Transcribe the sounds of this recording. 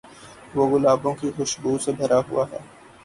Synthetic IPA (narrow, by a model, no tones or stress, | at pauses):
ʋoːɣʊlaːbõkixʊʃbuːsebʱɐɾʔaɦʊ̰aɦɛ̰ː